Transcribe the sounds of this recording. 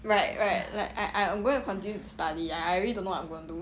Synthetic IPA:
ɹaɪt̚ɹaɪt̚laɪka̰ɪʔãjãmɡõɪ̃nukʰɔ̃ntĩnjudəstadiaɪaɹɛlidõnowɔãj̃mɡõɪ̃ndu

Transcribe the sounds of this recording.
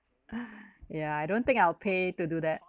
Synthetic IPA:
jaaɪdõnt̪ɪ̃ŋkaɪlpʰetudud̪ɛt̚

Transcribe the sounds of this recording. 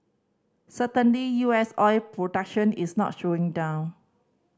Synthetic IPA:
sətə̃nlijuɛsɔjpɹodak̚ʃə̃nḭsnɔ̰t̚ʃoɪ̃ŋdãw̃n

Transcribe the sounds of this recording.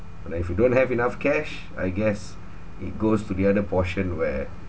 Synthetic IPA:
naifjudõnhɛvinafkʰɛʃ | a̰jɡɛs | it̚ɡostudiadəpʰɔʃə̃nwɛ

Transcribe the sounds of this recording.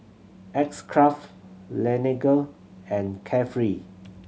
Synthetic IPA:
ɛkskʰɹaftlɛniɡəl | ɛ̃nkʰɛfɹi

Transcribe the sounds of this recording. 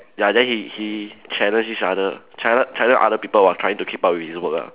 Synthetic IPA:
jadɛhihit͡ʃʰɛlə̃nʃisadə | t͡ʃʰɛlət͡ʃʰadə̃ʔa̰dəpipəlwatʰɹajĩŋtukʰip̚ap̚wifisbəka̰

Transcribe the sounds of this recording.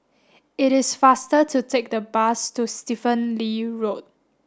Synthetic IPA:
ɪɾɪsfastətʰutʰek̚dəbastustifə̃nliɹot̚

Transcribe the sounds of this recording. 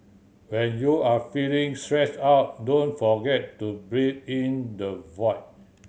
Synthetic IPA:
wɛ̃njuafilĩŋstɹɛsaʊt̚dõnfɔɡɛtːubɹidĩndəvɔɪt̚

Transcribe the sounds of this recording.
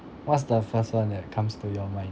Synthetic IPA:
wɔts̬dəfəstwãndɛt̚kʰãmstujɔmãɪ̃

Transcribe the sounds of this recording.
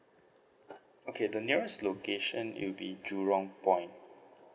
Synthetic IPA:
okʰedəniəɹɛstlokeʃə̃nwḭlbḭd͡ʒuɹɔ̃ŋpɔ̃j̃nt

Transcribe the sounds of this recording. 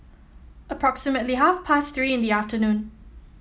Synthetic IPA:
əpʰɹɔksɪmətliɦafpʰasθɹiːɪ̃nd̪iaftənũn

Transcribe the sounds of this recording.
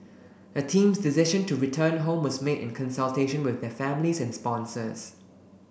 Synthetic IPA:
ətʰĩːmsdɪsɪʃə̃ntuɹitʰə̃ːnɦõmwɔsmedɪ̰̃nkʰə̃nsəlteʃə̃nwɪðdɛfæ̃mlisɛ̃nspɔ̃nsəs

